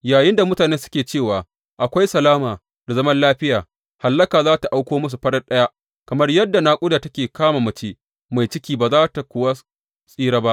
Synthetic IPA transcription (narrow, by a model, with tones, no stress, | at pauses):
jaː˨jɪ˦nda˨mʊ˦taː˨neː˦sʊ̥˦kʲeː˨t͡ʃeː˦˨waː˨ | ʔa˨kʷa˦jsɐ˨laː˦maː˨ | da˨zɐ˦mɐ˦nlaː˦ɸɪ˦jaː˨ | ha˨lːɐ˦kaː˨zaː˦ta˨ʔa˦wkʷoː˦mʊ˦s̬u˨ɸɐ˦ɽɐ˦nɗɐ˦ja˦ʔ | kɐ˨mɐ˦rjɐ˦dːa˨naː˦kʷʼʊ˦daː˨tɐ˦kʲeː˨kaː˦maː˨mɐ˦t͡ʃeː˦ | ma˨jt͡ʃɪ˦kʲiː˦baː˨zaː˦ta˨kʷʊ˦wa˦ | sʼiː˦ɾaː˦ba˦ʔ